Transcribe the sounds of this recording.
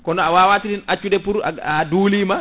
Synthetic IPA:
kɔnɔawaːwatidinat͡ʃːudɛpuɾa̰aduːliːma

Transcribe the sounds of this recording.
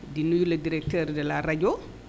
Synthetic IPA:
dinːujuladiɾɛk̚tɛɾdɛlaɾad͡ʒɔ

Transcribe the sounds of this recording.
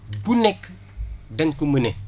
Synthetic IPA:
bunek | daŋkuməne

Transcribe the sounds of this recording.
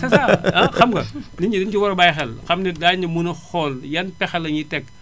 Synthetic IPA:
sɐsaɐxɐmɡɐniɲidind͡ʒiwɐɾɐbajxɛlxɐmnidaːɲimunɐxɔːljɐnpɛxɛlɐɲitɛkː

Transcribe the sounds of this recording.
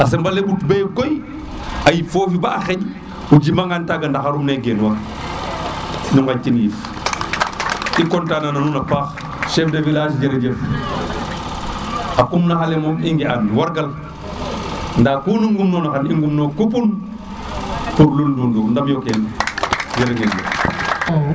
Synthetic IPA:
as̬embalebutbejɡoj | ajifoːfibaːxeɟ | ud͡ʒimaŋɡantaɡandaxaɾumneɡenwaɾ | nuŋat͡ʃːinjif | ʔikontaːnananunapaːx | ʃefdavilaʃd͡ʒeɾad͡ʒef | akumnaxalemomiŋɡianwaɾɡal | ndaːkunuŋɡumnoːnaxaniŋɡumnokup̬un | puɾlundundundamjoken | d͡ʒeɾad͡ʒeljḛf

